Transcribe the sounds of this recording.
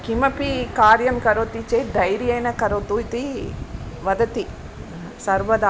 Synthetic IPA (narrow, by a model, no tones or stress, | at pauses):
kimɐpikaːɾjɐmkɐɾoːt̪it͡ʃed̪ɐjɾjɐjnɐkɐɾoːt̪uit̪i | ʋɐd̪ɐt̪i | sɐɾʋɐd̪aː